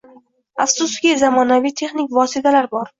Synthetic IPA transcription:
afsʊskʲizamɒnavijt̪ʰe̞χnɪkʲvɒsɪt̪ʰalaɾbɒɾ

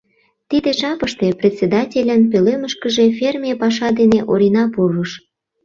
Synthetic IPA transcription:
t̪id̪eʒɑpəʃt̪eprʲet̪ʲsʲed̪ɑtʲelʲənp̬øleməʃkəʒefermʲijepɑʃ̬ɑd̪eneʔoɾʲinɑpuruʃ

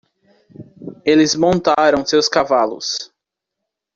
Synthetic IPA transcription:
elɪzmõnt̪aɾɐ̃w̃sewskavalʊ̰s

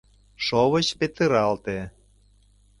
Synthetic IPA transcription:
ʃoβə̆t͡ɕpet̪ɨɾɑlt̪e

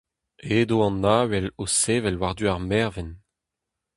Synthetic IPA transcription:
eːd̪oɑ̃nːaːwɛloseːvɛlwaʁd̪yaʁmɛʁvɛn

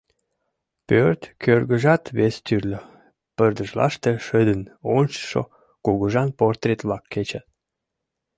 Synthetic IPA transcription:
pørt̪kørɣəʒɑt̪βest̪yrlə | pərd̪əʒlɑ̰ʃt̪eʃəd̪ənonʲt͡ɕə̥ʃo̰ | kuɣəʒɑnport̪ret̪βlɑkːet͡ɕɑt̪̚

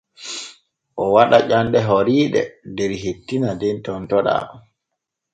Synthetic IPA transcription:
ʔɔwaɗaʄanɗɛɦoɾiːɗɛ̰dɛɾɦetːinadɛntɔntɔɗa̰

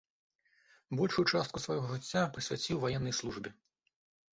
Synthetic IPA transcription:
bɔlʲʂujut͡ʂast̪̚kusvajɔɦɔʐɨt͡sʲːapɾɨsʲvʲat͡sʲiwvajɛnːɐjslˠuʐbʲi

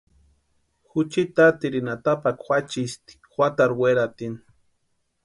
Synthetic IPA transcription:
xut͡ʃit̪at̪iɾinat̪apakxʷat͡ʃist̪i̥xwat̪aɾweɾat̪in

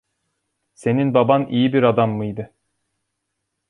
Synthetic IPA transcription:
se̞ninbabanijibiɾad̪amːɯjd̪ɯ

